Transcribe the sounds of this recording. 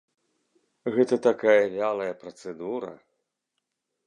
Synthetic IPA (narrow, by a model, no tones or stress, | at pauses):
ɣɛt̪ɐt̪akajɐlʲalˠɐjɐpɾɐt̪sɛd̪uɾɐ̰